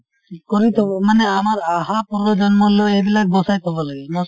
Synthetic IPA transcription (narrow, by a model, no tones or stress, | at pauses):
kɔɾit̪ʰɔbɔmanɛamaɾaɦapuɾɔd͡ʒɔnmɔloedilak̚bɔsajt̪ʰɔbɔlaɡɛnɔ